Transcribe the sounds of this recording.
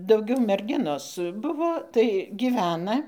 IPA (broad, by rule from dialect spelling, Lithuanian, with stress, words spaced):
dɐʊˈɡʲɛʊ mʲɛrʲˈɡʲɪnoːs ˈbʊʋoː tɐɪ ɡʲɪˈʋʲæːnɐ